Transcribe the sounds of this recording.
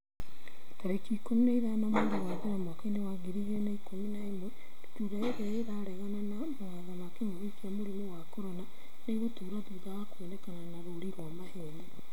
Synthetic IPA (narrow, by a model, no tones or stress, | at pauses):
taɾekikomuneiðanamoːndewaðeɾamwakenewaɣiɾiɣiɾenaikominaemwɛ | dotuɾaeɣɛeðaɾɛɣananamoaðamakemoβikiamoɾimowakoɾɔna | neɣotuːɾatuðaɣakwenɛkananaɾoɾiɾwamaheje